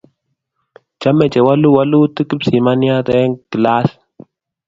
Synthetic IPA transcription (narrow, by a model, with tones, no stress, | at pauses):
t͡ʃa˦mɛ˨t͡ʃɛ˨wa˦lu˦wa˦lu˦t̪ɨ˦ki˦psi˨ma˦nja˦t̪ɛ˦ŋki˨la˦s